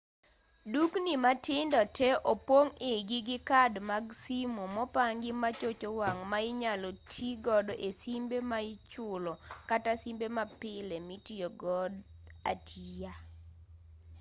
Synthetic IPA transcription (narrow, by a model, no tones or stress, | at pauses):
duknimatɪndɔtʰɛʔopwoŋɪɡɪɡɪkadmaɡsimomɔpaŋɡɪmat͡ʃot͡ʃowaŋmaɪɲalotʰiɡɔdɔʔesimbemaɪt͡ʃʊlɔkatasimbemapɪlɛmitioɡɔda̰tʰija